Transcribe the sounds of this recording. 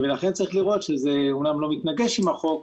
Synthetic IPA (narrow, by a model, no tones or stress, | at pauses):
velaχe̞nt͡saʁiχliʁo̞t̪ʃezeumnamlo̞mit̪naɡe̞ʃimaχo̞k̚